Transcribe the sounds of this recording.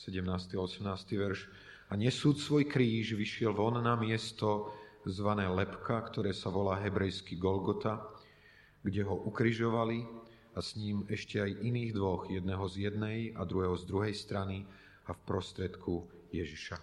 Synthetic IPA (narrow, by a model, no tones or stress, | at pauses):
sɛɟɛmnaːst̪iaɔsɛmnaːst̪iʋɛɾʃ | aɲɛsuːt̪sʋɔjkɾiːʒʋiʃɪɛlʋɔnnamɪɛst̪ɔzʋanɛːlɛpkʰakt̪ɔɾɛːsaʋɔlaːɦɛbɾɛjskiɡɔlɡɔt̪a | ɡɟɛɦɔʔukɾiʒɔʋali | asɲiːmɛʃcɛajʔiniːɣd̪ʋɔɣjɛd̪nɛɦɔzjɛd̪nɛjad̪ɾuɦɛːɦɔzd̪ɾuɦɛjst̪ɾani | afpɾɔst̪ɾɪɛt̪kʰu | jɛʒiʃa